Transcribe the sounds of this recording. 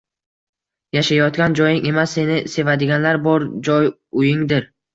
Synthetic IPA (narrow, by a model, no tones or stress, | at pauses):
jaʃajɒt̪ɡʲand͡ʒɒjɪŋe̞masːe̞nɪse̞vad̪ɪɡʲanlaɾbɒɾd͡ʒɒj | ʊjɪŋd̪ɪɾ